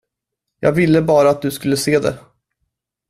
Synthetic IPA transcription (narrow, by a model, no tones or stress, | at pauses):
jɑ̰ːɡvɪlːəbɑːɾaːt̪̚d̪ɵskɵlːəseːd̪ɛ̰